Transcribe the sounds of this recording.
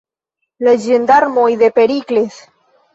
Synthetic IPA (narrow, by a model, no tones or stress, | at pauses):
led͡ʒend̪aɾmojðepeɾikles